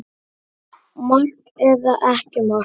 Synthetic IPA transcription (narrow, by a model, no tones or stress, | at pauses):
mɔ̥t | ɛɾðaʔɛhcɪmɔ